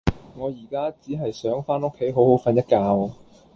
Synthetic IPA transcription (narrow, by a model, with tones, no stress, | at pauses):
ŋɔː˨˧jiː˨˩kaː˥t͡siː˨˥ɦɐ˨jsœː˨˥ŋfaː˥nʊ˥kʰːe˨˥jɦo˨˥who˨˥wfɐ˨˧njɐ˥t̚kaː˧w